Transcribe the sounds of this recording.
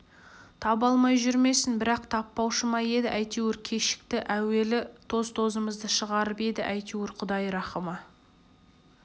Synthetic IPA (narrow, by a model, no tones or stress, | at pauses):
t̪ʰɑbɑlˠmɑjʒʏɾme̞sɪnbɪɾɑqt̪ʰɑpːɑwʃəmɑje̞d̪ɪʔæjt̪ewɪɾkʲʰe̞ʃɪ̥k̚t̪ɪʔæwe̞lɪt̪ʰo̞zt̪ʰo̞zəməzd̪əʃəʁɑɾəpe̞d̪ɪʔæjt̪uwɪɾqʰʊd̪ɑjɾɑχəmɑ